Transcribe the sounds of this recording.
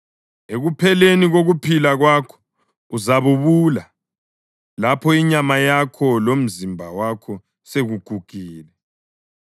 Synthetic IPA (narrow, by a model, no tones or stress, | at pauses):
eɣupʰɛleniɣoɣupʰilaɣwakʰɔ̥ | uzaβuβula | lapʰɔiɲamajakʰɔlom̩zimbʱawakʰɔ | seɣuɡ̥ʱuɡ̥ʱiːlɛ